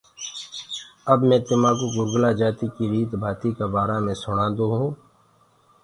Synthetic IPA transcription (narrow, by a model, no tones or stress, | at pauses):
ɐbmɛ̃ːt̪ɪmaːkoɡʊɾɡlad͡ʒaːt̪ikiɾiːt̪bʱaːt̪ikabaːɾamẽsʊɽ̃ãːd̪oɦũː